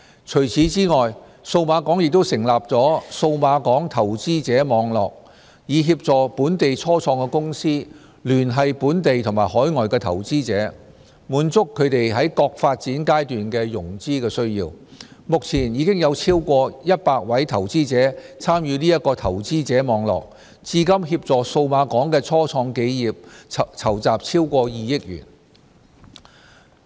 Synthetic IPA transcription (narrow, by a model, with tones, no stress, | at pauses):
t͡ʃʰɵ˨˩ɥt͡sʰiː˨˥t͡siː˥ŋɔː˨j | so˧wmaː˨˧kɔː˨˥ŋjɪ˨k̚t̪o˥wsɪ˨˩ŋlaː˨p̚t͡sɔː˨˥so˧wmaː˨˧kɔː˨˥ŋt̪ʰɐ˨˩wt͡siː˥t͡sɛː˨˥mɔː˨˧ŋlɔː˨k̚ | jiː˨˧ɦiː˧p̚t͡sɔː˨˩puː˨˥nt̪e˨jt͡sʰɔː˥t͡sʰɔː˧ŋkɛː˧kʊ˥ŋsiː˥ | lyː˨˩nɦɐ˨jpuː˨˥nt̪e˨jt̪ʰʊ˨˩ŋmaː˨˩jhɔː˨˥jŋɔː˨jkɛː˧t̪ʰɐ̰˨˩wt͡siː˥t͡sɛː˨˥ | muː˨˥nt͡sʊ˥kʰːɵ˨˧ɥt̪e˨jɦɐ˨˥jkɔː˧k̚faː˧t̚t͡siː˨˥nkaː˥jt̪yː˨nkɛː˧jʊ˨˩ŋt͡siː˥kɛː˧sɵ˥ɥjḭː˧wmʊ˨k̚t͡sʰiː˨˩njiː˨˧˥kɪ˥ŋjɐ˨˧wt͡sʰiː˥wkʷɔː˧jɐ˥t̚paː˧k̚wɐ˨˥jt̪ʰɐ˨˩wt͡siː˥t͡sɛː˨˥t͡sʰaː˥mjyː˨˧niː˥jɐ˥t̚kːɔː˧t̪ʰɐ˨˩wt͡siː˥t͡sɛː˨˥mɔː˨˧ŋlɔ̰ː˨k̚ | t͡siː˧kɐ˥mɦiː˧p̚t͡sɔː˨so˧wmaː˨˧kɔː˨˥ŋkɛː˧t͡sʰɔː˥t͡sʰɔː˧ŋke˨˧jjiː˨p̚t͡sʰɐ˨˩wt͡saː˨p̚t͡sʰiː˥wkʷɔː˧jiː˨˧jɪ˥k̚jy̰ː˨˩n